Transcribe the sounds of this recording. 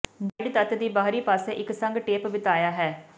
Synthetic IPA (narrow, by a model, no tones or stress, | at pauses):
bəɖt̪ət̪d̪iːbaːɾiːpaːseːʔɪksəŋɡʈeːpbɪt̪aːjaːɦɛː